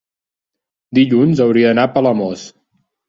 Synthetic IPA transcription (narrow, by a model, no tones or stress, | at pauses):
d̪iʎunzəwɾiəðənapələmɔs